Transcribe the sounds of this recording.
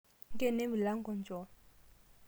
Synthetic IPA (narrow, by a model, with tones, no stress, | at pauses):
ŋ˦kʼɛ˦ne˦bu˨la˦ŋ̩˦kɔ˨n˨t͡ʃʼɔ˨˦